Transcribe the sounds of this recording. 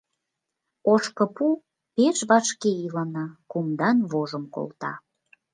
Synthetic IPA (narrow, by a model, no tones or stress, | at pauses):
oʃkə̆pu | peʃβɑʃkeilɑnɑkumd̪ɑnβoʒəmko̰lt̪ɑ̰